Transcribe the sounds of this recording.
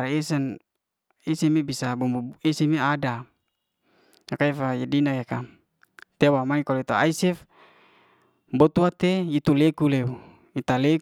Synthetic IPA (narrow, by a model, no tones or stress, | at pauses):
ɾisɛn | isɛmebisabɔmuisimeada | akaifajedinakeka | t̪ewamaŋikaloit̪aaisɛf | bot̪uat̪eit̪ulekuleu | it̪alek